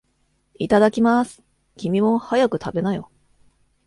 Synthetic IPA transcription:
it̪ad̪akʲimasɨ̥ | kʲimʲimo̞hajakɯ̟t̪abe̞najo̞̰

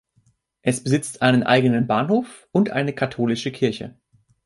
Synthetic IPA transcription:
ʔɛsb̥əzɪt͡stʔaɪnənʔa̰ɪɡənənbaːnhoːf | ʊntʔa̰ɪnəkʰatʰoːlɪʃəkʰɪɐçə̰

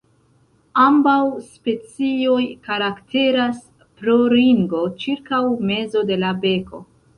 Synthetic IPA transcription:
ambawspe̞t͡sio̞jkaɾaktʰe̞ɾas | pɾo̞ɾiŋɡo̞t͡ʃiɾkawme̞zo̞de̞labe̞kʰo̞̰

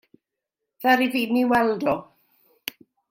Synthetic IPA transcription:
ð̥aɾiviniwɛlˠdɔ

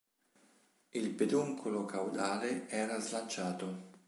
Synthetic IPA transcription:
ilped̪uŋkʰolokawd̪aːleɛːɾazlant͡ʃːaːt̪o

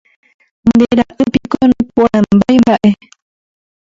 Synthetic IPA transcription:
nd̪eɾaʔɨpikonũpuambajbaʔe

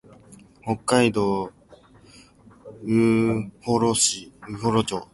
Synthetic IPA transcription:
ho̞kːaid̪o̞ː | ɯhoɾoɕiɯhoɾot͡ɕo̰

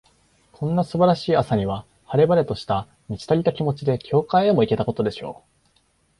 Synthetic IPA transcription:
kʰõ̞nːasɨbaɾaɕiːasaɲ̟iβa | haɾe̞baɾe̞t̪o̞ɕi̥t̪a | mʲit͡ɕi̥t̪aɾʲit̪akʲimo̞t͡ɕid̪e̞kʲʰo̞ːkaiemo̞ike̞t̪ako̞t̪o̞d̪e̞ɕo̞̰ː

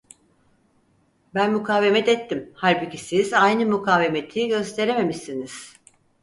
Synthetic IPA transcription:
bænmukʰaːve̞mɛt̪ɛt̪ʰːimhaɾbɯcisizajnɯmukʰaːve̞met̪ʰiɟø̞st̪ʰe̞ɾe̞me̞miʃiniz̥

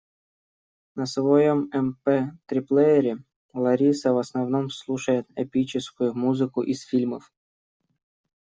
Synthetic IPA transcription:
nəsvɐjomɛmpɛt̪ɾʲiplˠɛjɪɾʲɪ | lˠɐɾʲisəvɐsnɐvnomslˠuʂəjɪt̪ɛpʲit͡ɕɪskʊjʊmuzɨkʊʔisfʲilʲməf

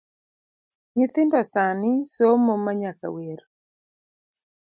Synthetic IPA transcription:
ɲɪt̪ɪndɔsanɪsomomaɲaka̰weɾ

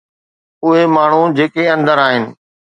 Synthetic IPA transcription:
ʊɦemaːɳ̤ud͡ʑeːkeɐ̃nd̪əɾaːɦɪnɪ̆

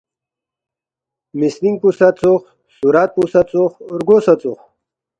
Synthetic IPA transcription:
misniŋɡ̚pusat͡soχ | suɾaːt̪̚pusɐt͡soχɾɡoːsɐt͡suχ

